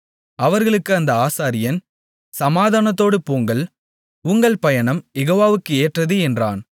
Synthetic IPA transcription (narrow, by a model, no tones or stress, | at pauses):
ɐʋɐɾɣɐɭɯkːɯɐnd̪ɐaːsaːɾɪjɐn | sɐmaːðaːnɐt̪ːoːɽɯpoːŋɡɐɭ | ʊŋɡɐɭpɐjɐɳɐmjɛɣoːʋaːʋɯkːɯeːʈrɐðɯɛndra̰ːn